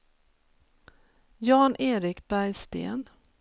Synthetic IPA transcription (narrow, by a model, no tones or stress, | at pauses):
jɑːnʔeːɾɪkbæɾjst̪ḛːn